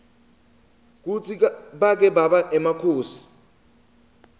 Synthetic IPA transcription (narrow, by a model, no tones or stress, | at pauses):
k̬ut͡sʰiɓak̬ɛɓaɓaʔɛmakʰoːsi̥